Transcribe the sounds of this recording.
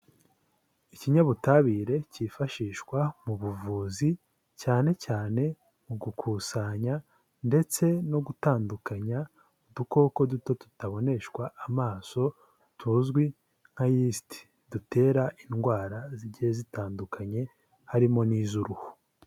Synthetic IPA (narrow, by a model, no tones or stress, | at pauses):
iciɲaβutaβiːɾe̞cifaʃiːʃkwamuβuvuːzi | caːne̞caːne̞ | muɡukʰuːsaɲa | nde̞t͡se̞no̞ɡutaːndukaɲa | duko̞ko̞duto̞tu̥taβo̞ne̞ʃkwaʔːmaːso̞ | tʰuːzɡwi | ŋ̥hajistʰi̥ | dute̞ːɾaʔinɡwaːɾaziɟihezitaːndukʰaɲe̞ | haɾimo̞niːzuɾuho̥